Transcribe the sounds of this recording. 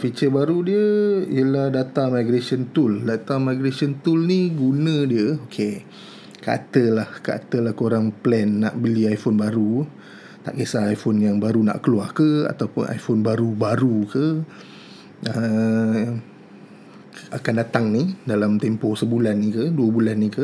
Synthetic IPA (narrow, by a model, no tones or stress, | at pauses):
fit͡ʃəbaɾudiəḭəlahdat̪amajɡɾesɔnt̪uldat̪amajɡɾesɔnt̪ulniɡunə̃diəokʰe | kaa̰t̪əlahkaʔa̰t̪əlahkoɾaŋplɛnːa̰ʔbəliajfɔnbaɾu | t̪a̰ʔkesaːjfonjaŋbaɾuna̰ʔkəluakəa̰t̪awpʊnʔa̰jfonbaɾubaɾukə | ə | akandat̪aŋnidalamt̪empɔsəbulanːikəduəbulanːikə